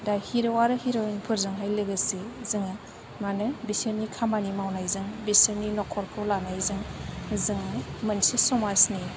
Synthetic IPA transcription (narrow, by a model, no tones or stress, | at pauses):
dahiɾɯwaɾɯhiɾɯwanipʰɯɾzɯŋɦajlɯɡɯsezɯŋɯ | manɯbisiɾnikʰamanimawnajzɯŋbisiɾninɔkʰɔɾkʰɯwlanajzɯŋzɯŋmɐnsisɔmasni